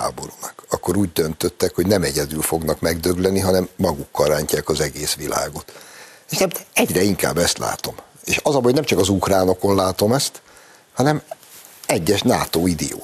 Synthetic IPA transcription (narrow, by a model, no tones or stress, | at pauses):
a̰ːbo̞ɾuːnɒkɒkːo̞ɾuːɟd̪ønt̪øt̪ːɛkhoɟnɛmɛɟɛd̪ylfo̞ɡnɒkmɛɡd̪ø̞ɡlɛniɦɒnɛmːɒɡukːɒlraːɲcaːkɒzɛɡeːsʋila̰ːɡo̞t̪eʃnɛmɛɟrɛiŋka̰ːbːɛst̪la̰ːt̪o̞m | eːʃɒzɒbhoɟnɛmt͡ʃɒkɒzukraːno̞ko̞nlaːt̪o̞mɛst̪ | hɒnɛm | ɛɟːɛʃnaːt̪oːid̪ɛ̰jo̰ː